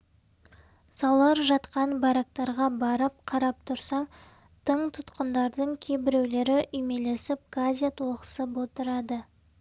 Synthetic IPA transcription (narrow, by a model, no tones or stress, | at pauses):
sɑwlˠɑɾʒɑt̪qɑnbɑɾak̚t̪ɑɾʁɑbɑɾəp̚qʰɑɾɑp̚t̪ʰʊɾsɑ | t̪ʰəɴt̪ʰʊt̪qənd̪ɑɾd̪əɴkʲʰe̞bɪɾe̞wle̞ɾɪʔʏjme̞le̞sɪp̚ɡazʲijat̪ʰoʁəsəpwo̞t̪əɾɑd̪ə